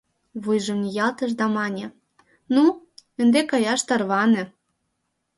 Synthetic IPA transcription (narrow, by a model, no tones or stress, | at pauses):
βujʒɤ̆mnʲijɑlt̪ə̆ʃ̬d̪ɑmɑnʲĕ | nu | ə̆nd̪ekɑjɑʃt̪ɑrβɑnɤ̆